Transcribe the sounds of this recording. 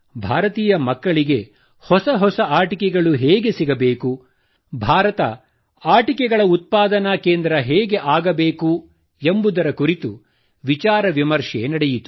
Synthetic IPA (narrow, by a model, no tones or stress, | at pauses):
bʱaːɾɐt̪iːjɐmɐkːɐɭiɡe̞ | hɔsɐɦɔsɐaːʈikɛɡɐɭuɦɛːɡe̞siɡɐbeːku | bʱaːɾɐt̪ɐ̰ | aːʈikɛɡɐɭɐut̪̚paːd̪ɐnɐkeːnd̪ɾɐɦɛːɡe̞ʔaːɡɐbeːku | embud̪ɐɾɐkuɾit̪ṵ | ʋit͡ʃaːɾɐʋimɐɾʂɛ̰nɐɽejit̪u̥